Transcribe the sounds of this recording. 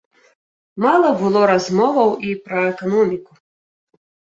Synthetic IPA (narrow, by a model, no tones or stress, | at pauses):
malˠɐbɨlˠɔɾazmɔvɐwipɾɐɛkanɔmʲiku